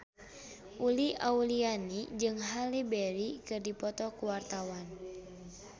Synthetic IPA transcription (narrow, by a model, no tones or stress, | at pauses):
ʔuliʔaulianid͡ʒɨŋɦalibɛɾikɨrdipɔt̪ɔkuwart̪awan